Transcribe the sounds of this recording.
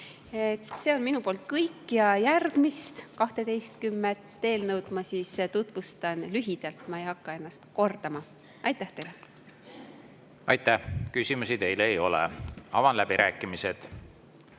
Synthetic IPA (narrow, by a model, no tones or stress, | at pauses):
et̪se̞o̞nminupoːlt̪̚ˑkɤjkːˑjɑjærɡ̥mist̪kɑht̪e̞t̪e̞jst̪̚kymːet̪ːe̞ːlnɤwd̪̥mɑsiːst̪ut̪vust̪ɑnlyɦid̪̥ɑlt̪mɑe̞jhɑkːɑe̞nːɑst̪ko̞rd̪̥ɑmɑ | ɑjt̪ˑːæht̪e̞jle | ɑjt̪ːæhkysimusid̪e̞jlejo̞lḛɑ̰vɑnlæb̥iɾʔæːkːˑimise̞d̪̥